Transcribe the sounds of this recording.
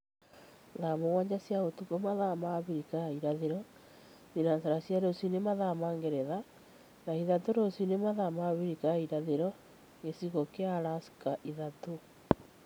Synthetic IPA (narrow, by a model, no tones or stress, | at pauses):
ðamoɣwaɲd͡ʑasjaotukomaðamaβiɾikaiɾaðeɾɔ | ðinasaɾasjaɾosinemaðamaŋɡeɾɛða | naiðatoɾosinemaðamaβiɾikaiɾaðeɾɔ | ŋɡesiɣokeaɾasi̥kaʔiðato